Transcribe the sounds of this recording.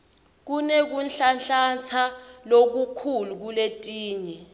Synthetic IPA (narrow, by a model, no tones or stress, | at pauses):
k̬unek̬unɬanɬant͡sʰalok̬ukʰuluk̬uletʼiːɲɛ